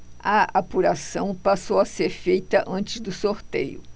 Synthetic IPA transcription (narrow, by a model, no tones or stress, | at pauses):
ɐapuɾasɐ̃w̃pasowɐseɾfejt̪ɐʔɐ̃nt͡ʃɪzd̪ʊsoɾt̪ḛjʊ̰